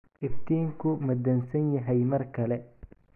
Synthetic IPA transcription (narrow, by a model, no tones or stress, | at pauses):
ʔɪft̪ʰiːŋkʰʊmɐd̪ɐnsɐnjɐɦɛjmɐrkʰɐlɛ